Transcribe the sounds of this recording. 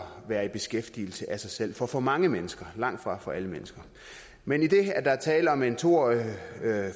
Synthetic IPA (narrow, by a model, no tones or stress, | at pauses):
ʋæːɐib̥e̝sɡ̥efd̥ḭl̩səʔæsɑ̈ɪsel̰fɒ̽fɒ̽mɑ̈ŋəmenəsɡ̥ɐlɑ̈ŋ̰d̥fʁɑ̈fɒ̽ʔæləmenəsɡ̥ɐ | menid̥e̝æɐd̥ɑ̈æt͡sʰɛːləɒ̽ment͡sʰo̝̰ɒ